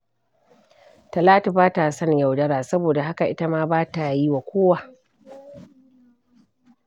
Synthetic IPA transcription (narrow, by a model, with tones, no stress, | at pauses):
tɐ˨laː˦tu˨baː˦ta˨sɐ˦ɲja˨wdɐ˦ɾaː˨sɐ˦boː˨da˨ɦa˦ka˨ʔɪ˦ta˦maː˦baː˦ta˨ji˦wa˨kʷoː˦wa˨ʔ